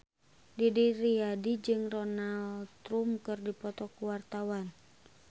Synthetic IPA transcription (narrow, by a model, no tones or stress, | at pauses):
didiɾiadid͡ʒɨŋrɔnalt̪ɾumkɨrdipɔt̪ɔkuwart̪awan